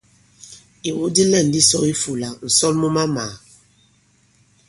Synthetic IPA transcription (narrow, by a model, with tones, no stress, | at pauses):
i˨wu˦di˦lɛ˦˨n̩˨di˦sɔ˦i˦fu˨la˨n̩˨sɔ˦lmu˦ma˦maː˨